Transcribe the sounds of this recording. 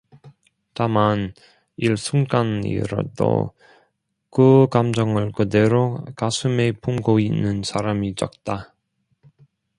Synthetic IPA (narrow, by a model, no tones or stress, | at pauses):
taman | iɭsʰuŋk͈anḭɾʌ̰do̰ | kɯkamd͡ʑʌŋɯɭkɯde̞ɾokasʰɯmepumɡoinːɯnsʰaɾamit͡ɕʌk̚t͈a